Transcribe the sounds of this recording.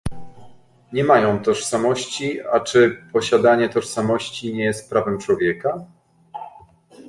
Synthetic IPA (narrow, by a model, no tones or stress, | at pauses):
ɲɛmajɔ̃w̃t̪ɔʂsamɔɕt͡ɕiat͡ʂɘpɔɕad̪aɲɛt̪ɔʂsamɔɕt͡ɕiɲɛjɛst̪̚pɾavɛmt͡ʂwɔvʲjɛka